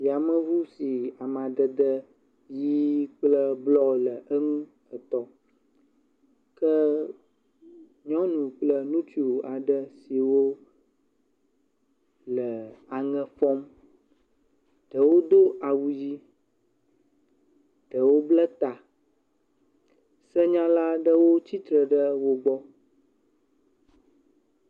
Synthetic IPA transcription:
ja˨mə˦vu˦si˨a˨mã˨d̪ə˨d̪ə˦ | ji˦k͡plə˦blɔ˦lə˨ʔə˦ŋũ˦ | ə˨t̪ɔ˦ | kə˦ | ɲɔ̃˦nũ˨k͡plə˦nũ˦t̪i˨˦o˨a˨ɖə˦si˨wo˦ | lə˨a˨ŋɛ̃˦fɔ˦m | ɖ̥ə˨wo˦d̪o˦a˨wu˨d͡ʑi˦ | ɖ̥ə˨wo˦blə˦t̪a˨ | sɛ˦ɲã˦la˦ɖə˦wo˦t͡ɕi˦t̪ɾə˨ɖə˦wo˦ɡ͡bɔ˦

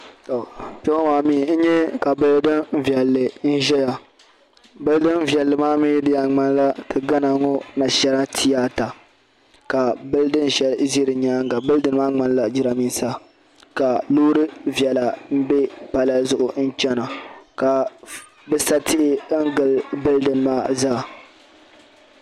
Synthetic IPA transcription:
to˨pɛ˦maː˨mi˦˨˦n̩˦ɲɛ˦ka˨bɨ˦ldɨ˦n˦vjɛ˨lːɨ˨n̩˦ʒɛ˦ja˨ | bɨ˦ldɨ˦n˦vjɛ˨lːɨ˨maː˦mi˦ji˦dɪ˦ja˨ŋ͡ma˦n˦la˦tʰɨ˨ɡa˦na˨ŋo˦na˨ʃɛ˦ɾa˦tʰi˦ja˦ta˨ | ka˨bɨ˦ldɨ˦n˨ʒɛ˦lzi˦ɾɨ˨ɲaː˦ŋ˦ɡa˨bɨ˦ldɨ˨˦n˦maː˦ŋ͡ma˦n˦la˨d͡ʒi˦ɾa˨mi˦n˦sa˦ | ka˨loː˦ɾɨ˦vjɛ˨la˨m̩˦be˦pa˨la˦zʊ˦ʔʊ˨n̩˦t͡ʃɛ˦na˨ka˨ | bɛ˦sa˦tʰɪ˦ʔɪ˦ŋ̩˦ɡɨ˨lbɨ˦ldɨ˦n˦maː˦zaː˦˨

